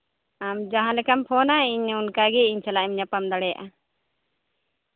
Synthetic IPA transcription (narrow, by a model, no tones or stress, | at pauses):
amd͡ʒaɦãlɛkampʰɔnaiɲunkaɡɛiɲt͡ʃʰalaʔɛmɲapamd̪aɽɛja̰ʔa